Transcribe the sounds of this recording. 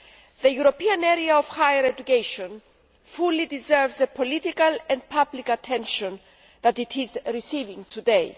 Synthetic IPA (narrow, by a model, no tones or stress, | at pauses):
ðejuɾopiɐ̃neɾiaov̥hajəɾed̪ukejʃõn | fulid̪izɛɹvzðəpʰolit̪ikɐlɛ̃nd̪̚pʰablikɐt̪ʰẽnʃõn | ðɐt̪it̪ʰizɾisivĩŋt̪ʰud̪ej